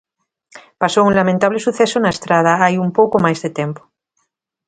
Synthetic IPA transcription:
pasowuŋlamẽnt̪aβlesuθesonaest̪ɾað̞aajumpowkomajzðet̪empo̥

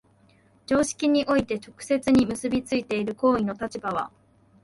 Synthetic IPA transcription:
d͡ʑo̞ːɕi̥kʲiɲ̟iʔo̞it̪e̞t͡ɕo̞kɯ̟̥se̞t͡sɨɲ̟imɯ̟sɨbʲit͡sɨit̪e̞iɾɯ̟ko̞ːino̞t̪at͡ɕibaβ̞a̰

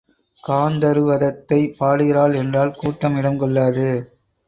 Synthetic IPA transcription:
kaːnd̪ɐɾɯʋɐðɐt̪ːɐɪpaːɽɯɣɪɾaːlɛndraːlkuːʈːɐmɪɽɐmkɔɭːaːðɯ

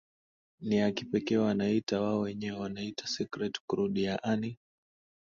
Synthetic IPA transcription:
niakipɛkɛːwanaitawaɔwɛɲɛwɛwanaitḁsikɾɛtkɾuɗiaʔani

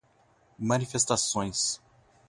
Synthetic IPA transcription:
mɐ̃nifest̪asõj̃s

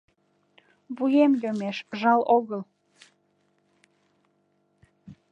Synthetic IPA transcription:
βujemjomeʃʒɑloɣəl

